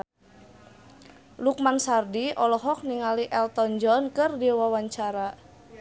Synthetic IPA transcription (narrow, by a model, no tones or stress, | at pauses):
luk̚maŋsardiʔɔlɔɦɔk̚niŋaliʔɛlt̪ɔnd͡ʒɔnkɨrdiwawaɲt͡ʃaɾa